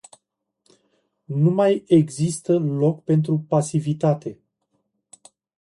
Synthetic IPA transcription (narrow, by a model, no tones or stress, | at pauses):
numaje̞ɡzist̪əlo̞kpe̞nt̪̬ɾupasivit̪at̪e̞